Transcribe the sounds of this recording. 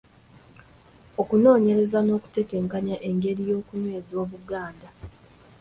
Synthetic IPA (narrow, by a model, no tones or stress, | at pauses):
o̞kuno̞ːɲe̞ɾe̞zano̞ːku̥te̞teːŋkaɲaʔe̞ŋɡe̞ɾijo̞ːkuɲwe̞ːzo̞ːβuɡaːnda